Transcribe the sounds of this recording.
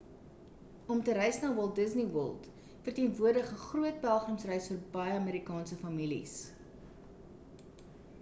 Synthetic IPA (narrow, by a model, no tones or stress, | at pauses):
ɔmtəɾɛjsnɑːwɔlˠt̚dəzniwɔ̰lˠt | fərtiənvuərdəχəχruət̚bælˠχrəmsrɛjsfərbɐjəɑmiːɾikɑːnsəfɐmilḭs